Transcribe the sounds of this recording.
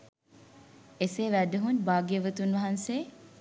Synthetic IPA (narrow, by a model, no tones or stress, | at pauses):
eseːʋæd̪uɦunbaːɡeʋət̪unʋɐɦɐnseː